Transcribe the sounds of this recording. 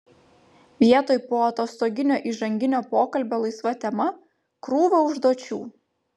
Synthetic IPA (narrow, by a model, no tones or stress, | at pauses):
ʋʲiɛt̪oːjpoːɐt̪oːst̪oːɡʲɪnʲoːʔiːʒɐŋʲɡʲɪnʲoːpoːkɐlʲbʲoːlˠɐɪsʋɐt̪ʲɛmɐ | kɾuːʋɐʊʒd̪oːt͡ʃʲuː